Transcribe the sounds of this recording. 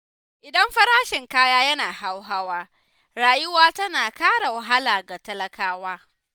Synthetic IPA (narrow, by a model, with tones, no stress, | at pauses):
ʔɪ˨dɐ˦mɸɐ˦ɾaː˦ʃɪ˨ŋkaː˦jaː˦jɐ˦naː˨ha˦wɦa˦waː˦ | ɾaː˨jʊ˦waː˦tɐ˦naː˨kaː˦ɽa˨wɐ˨ɦa˦laː˨ɡa˨tɐ˦lɐ˦kaː˦waː˦